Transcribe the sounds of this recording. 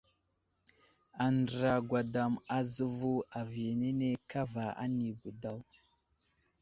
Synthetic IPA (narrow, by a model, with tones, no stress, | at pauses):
a˨ndɾa˨ɡwa˨da˨ma˨zə˦vu˦a˨vi˨je˨ne˦ne˦ka˦va˨a̰˦ni˨bu˨da˦w